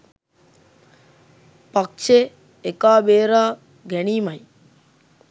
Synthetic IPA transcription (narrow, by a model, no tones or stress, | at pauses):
pɐk̚t͡ʃe | ekaːbeːɾaː | ɡɛɽiːmaj